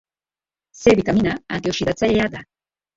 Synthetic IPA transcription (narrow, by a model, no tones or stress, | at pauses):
sebit̪aminaant̪iosid̪at͡saʎead̪a